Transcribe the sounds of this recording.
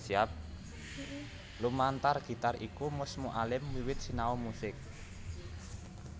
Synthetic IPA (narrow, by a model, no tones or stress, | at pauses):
siap̚ | lumant̪arɡ̥i̤t̪arikumʊsmuʔalɪmwiwɪt̪̚sinaomusɪk̚